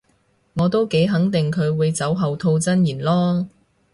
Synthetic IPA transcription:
ŋɔː˨˧t̪o˥wke˨˥jɦɐ˨˥ŋt̪ɪ˨ŋkʰɵ˨˧ɥwuː˨˧jt͡sɐ˨˥wɦɐ˨wt̪ʰo˧wt͡sɐ˥njiː˨˩nlɔː˥

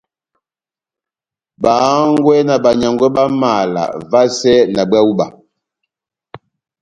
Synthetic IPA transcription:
ba˨˦ŋɡwɛ˦na˨ba˨ɲa˨ŋɡwɛ˦ba˦ma˨la̰˨va˦sɛ˦na˨bwa˦u˦ba̰˨

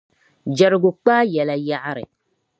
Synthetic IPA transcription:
d͡ʒɛ˨ɾɪ˨ɡʊ˨k͡paː˦jɛ˨la˨ja˦ʔa˦ɾɪ̰˨

